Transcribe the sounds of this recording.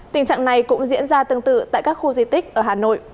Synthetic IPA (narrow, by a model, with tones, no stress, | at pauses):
t̪ï˨˩ŋ̟t͡ɕa̰ː˧˨ŋna˨˩jkʊ̰˧˥ŋ͡mzḭ˧˥ənzaː˧t̪ɨ˧əŋt̪ɨ̰˧˨t̪a̰ː˧˨jkaː˦˥k̚xu˧zi˧t̪ï˦˥k̚ʔəː˧˩ɦaː˨˩no̰˧˨j